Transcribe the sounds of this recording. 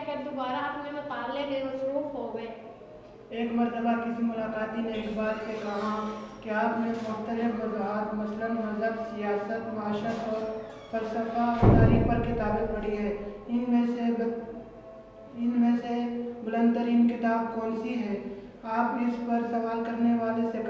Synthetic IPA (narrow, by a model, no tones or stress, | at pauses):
kɐd̪obaːɾaːpnemɪ̃taːɾleɡeosɾuːfɦoːɡɐe | eːkmɐɾt̪əbakɪsimʊlaːkaːt̪ineːkbaːɾkekɐɦãkiaːpnẽmʊxt̪əlɪfmɐzaːt̪mɐslənmɐzəbsijaːsət̪maːʃət̪ɔːɾ | fɐɾsəfat̪aːɾiːk̚pɐɾkɪt̪aːbepɐɽiɦɛːɪnmẽse | ɪnmẽseɡʊlə̃nd̪̚t̪əɾiːnkɪt̪aːb̚kɔ̃ːnsiɦɛː | aːpɪspɐɾsɐʋaːlkɐɾneʋaːlesek